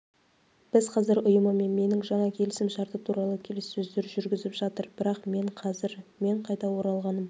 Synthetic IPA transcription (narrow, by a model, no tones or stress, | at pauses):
b̥ɪzqʰɑzɪɾʊjəməme̞nme̞nɪŋʒɑɴɑkʲʰe̞lɪsɪmʃɑɾt̪əpt̪ʰuɾɑlˠəkʲʰe̞le̞sɵzd̪eʏɾʒʏɾɡʲɪzɪpʒ̥ɑt̪əɾb̥ɪɾɑqme̞ɴqʰɑzɪɾme̞ɴqʰɑjt̪ɑwo̞ɾɑlˠʁɑnəm